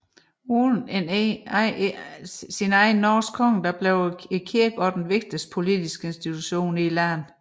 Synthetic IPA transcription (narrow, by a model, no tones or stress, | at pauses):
un | sinɑ̈ɪn̩ːɒːskʰɒŋ̰d̥ɑb̥leʊekʰiɐɡ̥ɒ̽d̥enʋe̝ɡ̥̚d̥əs̚pʰo̝lid̥isɡ̥əe̝nsd̥it͡sʰuɕo̝̰ːnilæn